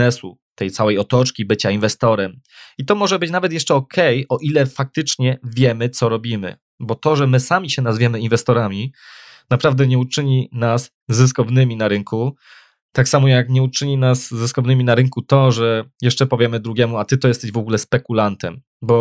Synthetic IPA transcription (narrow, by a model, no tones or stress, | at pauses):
ɛsu | t̪ɛjt̪sawɛjɔt̪ɔt͡ʂkʲibɘt͡ɕainvɛst̪ɔɾɛmit̪ɔmɔʐɛbɘt͡ɕnavɛt̪̬jɛʂt͡ʂɛɔkʰɛjɔʔilɛfak̚t̪ɘt͡ʂɲɛvʲjɛmɘt̪sɔɾɔbʲimɘ̰ | bɔt̪ɔʐɛmɘsamʲiɕɛnazvʲjɛmɘinvɛst̪ɔɾamʲi | napɾavd̪ɛɲɛut͡ʂɘɲinasː | ɘskɔvnɘmʲinaɾɘŋku | t̪aksamɔjakɲɛut͡ʂɘɲinazːɘskɔvnɘmʲinaɾɘŋkut̪ɔʐɛjɛʂt͡ʂɛpɔvʲjɛmɘd̪ɾuɡʲjɛmuat̪ɘt̪ɔjɛst̪ɛʑvɔɡulɛspɛkulant̪ɛm | bɔ